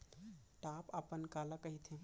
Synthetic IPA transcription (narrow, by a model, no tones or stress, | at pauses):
ʈapəpənkaləkəɦit̪ʰẽ